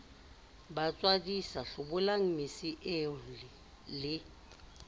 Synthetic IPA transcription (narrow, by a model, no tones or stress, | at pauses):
bat͡sʼwadisaɬʊbʊlaŋ̩mɪsiʔe | lɪ